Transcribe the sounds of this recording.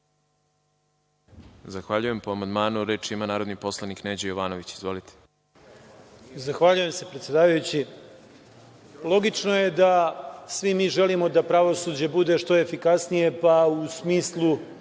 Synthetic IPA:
zaxʋaʎujempoamand̪maːnuɾeːt͡ʃimanaːɾo̞d̪nipo̞slˠanikneːd͡ʑejoʋaːnoʋit͡ɕizvʋo̞lit̪ʰe̥ | zaxʋaʎujemse̞pɾet̪sjed̪aːʋajut͡ɕi | lˠo̞ɡit͡ʂno̞jed̪asʋimiːʒelimo̞d̪apɾaʋo̞suːd͡ʑe̞bud̪e̞ʂt̪o̞e̞fikasnije̞pausmiːslˠu

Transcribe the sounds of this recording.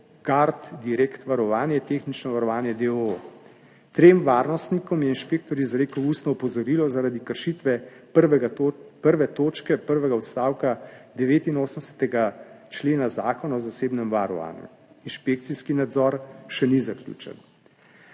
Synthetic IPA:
ɡaɾt̪d̪iɾekt̪ʋaɾɔʋaːnjɛt̪eːxnit͡ʃnɔʋaɾɔʋaːnjɛd̪eoo | t̪ɾemʋaːɾnɔst̪nikɔmjɛinʃpeːk̚t̪ɔɾjuzaɾekəwuːst̪nɔɔpɔzɔɾiːlɔzaɾad̪ikəɾʃit̪ʋɛ | ɛpəɾʋɛt̪oːt͡ʃkɛpəɾʋɛɡaɔt̪st̪aːwkad̪ɛʋeːt̪inoːsəmɛsɛ̥t̪ɛɡa | t͡ʃleːnazaːkɔnaɔzaseːbnɛmʋaɾɔ̰ʋa̰ːnjṵ | inʃpek̚t̪siskinad̪zɔɾʃɛnizaklʲṵːt͡ʃɛ̰n

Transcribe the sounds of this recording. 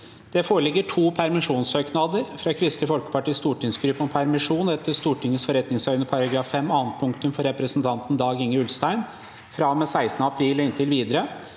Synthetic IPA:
d̪̥ɛfoːɾəlɪɡːəʈʰuːpʰæɾmɪʂuːnsøːknɑd̪əɾfɾɑkʰɾɪst̪ɪfɔlkə̥pʰɑʈiːst̪uːʈɪŋsɡɾʉːpːɔmpʰæɾmɪʂuːnɛt̪ːəst̪uːʈʰɪŋːəsfɔɾɛt̪nɪŋsœʏnəpʰɑɾɑɡɾɑːfːɛmːɑːnt̪̚pʰʊŋkt̪ʉmfɔɾɾɛpɾəsn̩t̪ʰɑnt̪n̩d̪ɑːɡɪŋːəɾʉlst̪æɪn | fɾɑmɛsæɪst̪nəɑpʰɾiːlɔɪnt̪ʰɪlʋiːd̪əɾə

